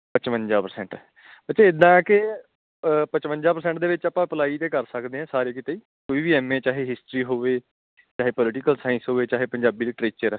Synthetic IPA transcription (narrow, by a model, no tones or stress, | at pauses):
pət͡ʃʋəɲd͡ʒaːpəɾsɛ̃ːɳʈː | bət͡ʃeːɪd̪ãːɛːkɪ | pət͡ʃʋə̃ɲd͡ʒaːpəɾsɛ̃ːɳʈ̚d̪eːʋɪt͡ʃapãːpəlaːiːt̪eːkəɾsəkd̪eːɛ̃ːsaːɾeːkɪt̪eːiː | koːiːʋiːɛːmẽːt͡ʃaːɦeːɦɪsʈɾiːɦoːʋeː | t͡ʃaːɦeːpɔːlɪʈɪkəlsaːɪ̃nsɦoːeːt͡ʃaːɦeːpəɲd͡ʒaːbiːliʈɾeːt͡ʃəɾɛː